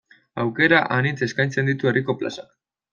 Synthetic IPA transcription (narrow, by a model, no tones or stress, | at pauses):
awke̞ɾaʔanit͡se̞skajnt͡se̞nd̪it̪ue̞riko̞pla̰sak